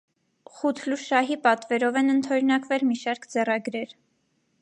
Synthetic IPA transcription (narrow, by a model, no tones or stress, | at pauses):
χut̪ʰluʃɑɦipɑt̪vɛɾɔvɛnənt̪ʰɔɾnɑkvɛlmiʃɑɾkʰd͡zɛrɑɡɾɛɾ